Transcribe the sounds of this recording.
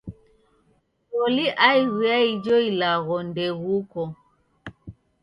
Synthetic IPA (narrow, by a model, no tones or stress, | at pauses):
sɔliʔaiɣiaid͡ʒɔilaɣɔndɛɣukɔ